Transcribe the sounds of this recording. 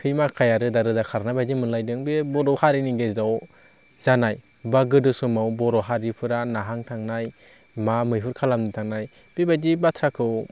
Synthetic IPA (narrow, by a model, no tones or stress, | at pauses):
kʰɯjmakʰajaɾɯdaɾɯdakʰaɾnajbadimɯnlajdɯŋbebɔɾɔwhaɾiniɡezaw | zanaj | baɡɯdɯsumawbɔɾɔɦaɾipʰɯɾanaɦaŋtʰaŋnaj | mamɯjpʰuɾkʰalamnitʰaŋnaj | b̥ebadibatʰɾakʰɯw